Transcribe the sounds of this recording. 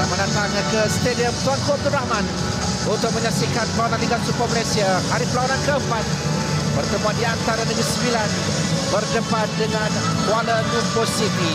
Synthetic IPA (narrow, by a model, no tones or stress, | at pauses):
aməndat̪aŋakəst̪ediəmt̪ankɔp̚d̪unɾahman | unt̪ʊk̚məɲaksikanpəlaunanliŋɡansupamalajsiahaɾipəlaanankəəmpat̪̚ | bərdəbat̪̚diant̪aɾanəɡɾisəmbilan | bərdəpat̪̚dəŋan | kualənuposit̪i